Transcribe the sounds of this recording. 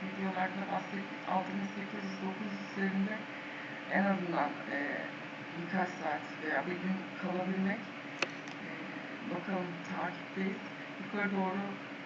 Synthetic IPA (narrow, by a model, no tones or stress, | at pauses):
vid̪jonˠaɾd̪anast̪ɯk | a̰lˠt̪ʰɯniʃse̞cʰizjyzd̪o̞kʰuziseɾind̪ɛ | ɛnazɯnd̪anɛ̰ː | jykʰaʃsaːt̪vejaːbild̪inkʰalˠabilʲmɛc | ɛ | b̪okʰalˠɯmt̪ʰaːcʰi̥p̚d̪ejilʰ | ikaɾad̪o̞ːɾu